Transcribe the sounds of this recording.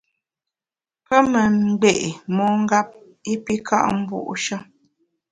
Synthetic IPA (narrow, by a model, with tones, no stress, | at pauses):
pə˦mə˨m̩˨ɡ͡be˦˨ʔmɔ˦ŋ̩˦ɡa˦p̚ | i˦pi˦kʰa̰˦ʔm̩˦bṵ˦˨ʔʃə˦